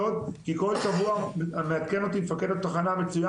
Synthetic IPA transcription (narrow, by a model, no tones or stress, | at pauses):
ot̪kiko̞lʃavuameat̪keno̞t̪imefaked̪otːaχaname̞t͡suja